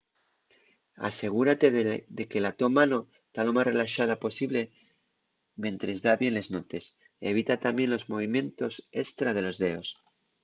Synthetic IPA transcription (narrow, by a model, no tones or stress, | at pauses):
a̰se̞ɣ̞uɾat̪e̞ðekelat̪o̞mano̞est̪alo̞masre̞laʃað̞apo̞siβle̞ | mje̞nt̪ɾe̞zðaβje̞nle̞znot̪e̞s | e̞β̞it̪at̪amje̞nlo̞zmo̞β̞imjẽ̞nt̪o̞se̞st̪ɾaðe̞lo̞zðe̞o̞s